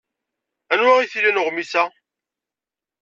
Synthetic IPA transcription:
ænwæʁiθilænəʁmisæ

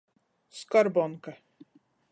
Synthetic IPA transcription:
skɔɾbɔnka

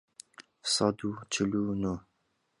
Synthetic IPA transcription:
sɑd̪ut͡ʃʰilunu

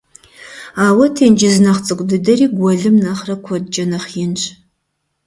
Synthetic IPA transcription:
aːwɐtʰeːnd͡ʒɪznɐχt͡sʼɨkʷʼdɨdɐriːɡʷɔɮɨmnɐχrɐkʷʰɔdd͡ʒʼɐnɐχjɪnt͡ʃʼ

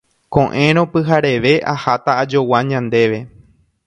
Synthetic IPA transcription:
kõʔẽ̞ɾ̃õpɨɦaɾe̞ʋe̞ʔahat̪aːd͡ʒowaɲãnd̪e̞ʋe̞

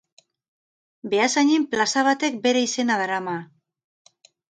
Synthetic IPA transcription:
be̞asaɲimplasaβ̞at̪e̞k̚be̞ɾe̞ise̞naðaɾama

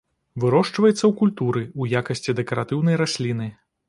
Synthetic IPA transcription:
vɨɾɔʂt͡ʂvɐjɛt̪sːɐwkulʲt̪uɾɨujakɐsʲt͡sʲid̪ɛkɐɾat̪ɨwnɐjɾasʲlʲinɨ

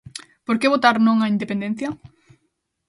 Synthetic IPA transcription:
poɾkeβ̞ot̪aɾnõŋɐind̪epend̪ẽn̟θjɐ

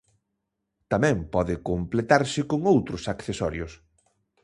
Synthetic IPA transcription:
t̪amɛ̃mpɔðɪkomplet̪aɾsɪkoŋowt̪ɾʊsakθesɔɾjʊs

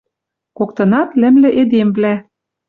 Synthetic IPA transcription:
kok̚t̪ɤ̆nɑt̪lɘ̆mlɘ̆ʔed̪emvlæ

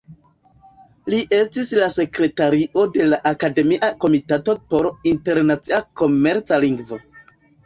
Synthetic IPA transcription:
liʔe̞stislase̞kɾe̞taɾiʔo̞de̞laʔakade̞miʔako̞mitato̞po̞ɾinte̞ɾnat͡siako̞me̞ɾt͡saliŋɡvo̞

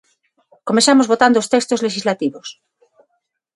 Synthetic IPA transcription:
komesamozβot̪and̪ost̪ekst̪ozleʃizlat̪iβos

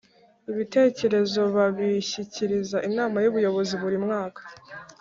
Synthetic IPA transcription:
iβite̞ːce̞ɾe̞zo̞βaβiçiciɾizaʔinaːmajuβujo̞βo̞ziβuɾimŋaːkḁ

